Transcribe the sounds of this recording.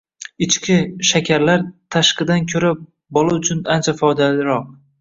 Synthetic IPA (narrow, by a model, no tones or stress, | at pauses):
ɪt͡ʃkʲʰɪʃakʲʰaɾlaɾt̪ʰaʃqɨd̪ankʲʰɵɾa | bɒlˠaʊt͡ʃʰʊnant͡ʃʰafɒd̪alɪɾɒq̚